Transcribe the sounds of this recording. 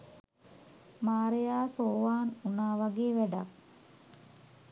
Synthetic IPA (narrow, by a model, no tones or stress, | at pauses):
maːɾejaːsoːʋaːnunaːʋaɡeːʋæɖa̰k̚